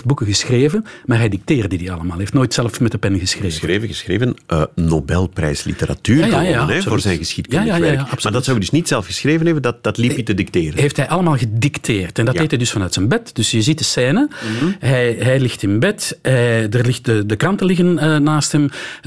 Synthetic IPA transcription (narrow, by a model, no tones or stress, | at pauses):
t̚bukəɣəsxreːvənmaːrɦɛjdik̚teːrt̚didiɑlˠəmaːlˠɦeftnoːjtsɛləfmɛtəpɛnɣəsxreːveːvəɣəsxɾeːvənənobɛlˠprɛ̰jslḭtəɾa̰tyːjaoːrzɛjnɣəsxitajajaɛaɑpsmaːrdɑtsɑwjədɵsnitsɛlˠfɣəsxreːvənɛbəndɑt̚dɑtlifjətədik̚teːɾəɦeːftɦɛjʔɑləmaːlˠɣədiktʰeːrtɛndɑteːtɦɛjdʏsfɑnœːɥtsɛnbɛtd̥ʏsjəzit̚dəsɛːnəɦɛjɦɛjlɪxtɪnbɛtɦɛjdərlɪxt̚dədəkrɑntəlɪɣənəːaːstɦɛm